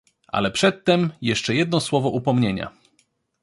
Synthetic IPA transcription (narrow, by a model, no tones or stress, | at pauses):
ʔa̰lɛpʂɛt̪ːɛmjɛʂt͡ʂɛjɛd̪nɔswɔvɔʔupɔmɲeɲa̰